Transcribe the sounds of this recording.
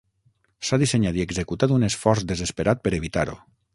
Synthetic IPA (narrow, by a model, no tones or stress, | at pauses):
saðiseɲad̪ieɡzekut̪ad̪unesfɔɾzd̪ezespeɾʔat̪̚pəɾeβit̪a̰ɾṵ